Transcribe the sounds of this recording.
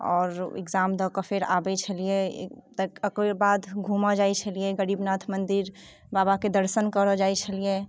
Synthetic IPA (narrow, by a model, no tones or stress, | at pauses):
ɔ̰ːɾɪ̰ɡzamd̪əkəpʰeɾa̰bɛt͡ʃʰəliḛt̪əəkebad̪ɡʱumad͡ʒajt͡ʃʰəlijeɡəɾiːbnat̪ʰmənd̪iɾ | babaked̪əɾsənkəɾɔd͡ʒajt͡ʃʰəlije